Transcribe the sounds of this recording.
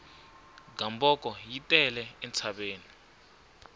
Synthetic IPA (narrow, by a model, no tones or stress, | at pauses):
ɡambɔkʼɔjitʼɛlɛɛnt͡sʰaɓeːni